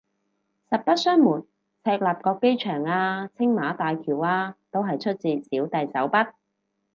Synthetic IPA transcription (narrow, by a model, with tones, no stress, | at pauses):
sɐ˨p̚pɐ˥t̚sœː˥ŋmuː˨˩n | t͡sʰɛː˧k̚laː˨˩p̚kɔː˧kːe˥jt͡ʃʰœː˨˩ŋaː˧t͡sʰɪ˥ŋmaː˨˥t̪aː˨jkʰiː˨˩waː˧t̪o˥wɦɐ˨jt͡ʃʰɵ˥t̚t͡siː˨˧siː˨˥wt̪ɐ˨jt͡sɐ˨˥wpɐ˥t̚